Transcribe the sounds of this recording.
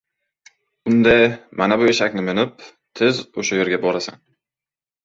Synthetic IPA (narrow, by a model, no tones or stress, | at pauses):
ʊnd̪amʔanabʊeʃakʲnɪmɪnɪp̚ | t̪ʰɪzoʃajeɾɡʲabɒɾasa̰n